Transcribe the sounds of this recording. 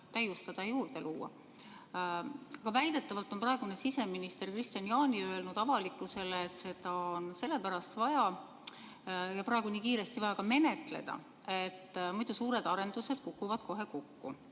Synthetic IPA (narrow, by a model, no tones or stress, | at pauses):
t̪æjust̪ɑd̪̥ɑjuːrd̪̥e̞luːɑ̰ | ɑɡ̥ɑvæjd̪̥e̞t̪ːˑɑvɑlt̪ːˑo̞nprɑe̞ɡ̥une̞sise̞minist̪e̞rkrist̪jɑnjɑːnʲiø̞e̞lnud̪̥ɑvɑlikːˑuse̞leːt̪ːse̞d̪̥ɑonse̞lːe̞pæɾɑst̪vɑjɑ | jɑprɑeɡ̥uniːkiːɾe̞st̪ivɑjɑkɑme̞ne̞t̪ˑle̞̰d̪ɑ̰ | e̞t̪ːmujd̪̥usuːɾe̞d̪ɑɾe̞nd̪̥use̞d̪̥̚kukːˑuvɑd̪̥ko̞ɦe̞kokːṵ